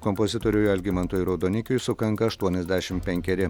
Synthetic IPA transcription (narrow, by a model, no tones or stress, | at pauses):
kɔmpozʲɪt̪oːɾʲʊjɛlʲɡʲɪmɐnt̪uːjɾɐʊd̪oːnʲɪkʲʊjsʊkɐŋkɐɐʃt̪uɔnʲɛzʲd̪ʲæːʃʲɪmpʲɛŋʲkʲɛɾʲɪ